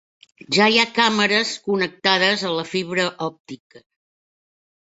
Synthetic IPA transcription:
ʒaiakaməɾəskunək̚t̪aðəzələfiβɾəʔɔp̚t̪ikə

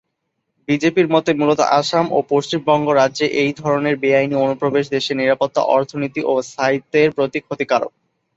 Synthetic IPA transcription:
bid͡ʑepiɾmɔt̪emulot̪o̰ʔaʃamopoʃt͡ɕimbɔŋɡoɾadːʑeʔejd̪ʱɔɾoneɾbeajnionupɾobeʃd̪eʃeɾniɾapot̪ːa̰ʔɔɾt̪ʰonit̪iʔost̪ʰait̪ːeɾpɾot̪ikʰːot̪ikaɾo̰k̚

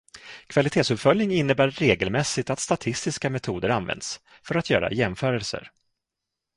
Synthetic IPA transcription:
kʰv̥alɪt̪ʰeːtsɵpfœlnɪŋɪnːəbæːeːɡəlmɛsːɪt̪at̪st̪at̪ʰɪst̪ɪskamɛt̪ʰuːd̪əɾanvɛ̰nd̪s | fœɾat̪jœ̰ːɾa̰jɛmfœːɾɛlsə̰ɾ

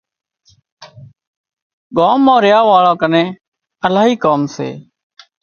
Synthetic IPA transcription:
ɠoːmoːɾɪjaːʋaːɭãːkənẽː | əlaːɦiːkaːmsḛː

